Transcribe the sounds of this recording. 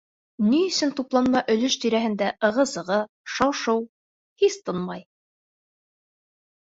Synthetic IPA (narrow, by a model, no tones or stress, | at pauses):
nijɵ̆sɵnt̪uplˠɑnmɑʔɵ̆lɵʃt̪ɵ̆ɾæɦɘ̆nd̪æʔɤ̆ʁɤzɤ̆ʁɤ | ʃɑwʃɤw | hist̪ɤnmɑj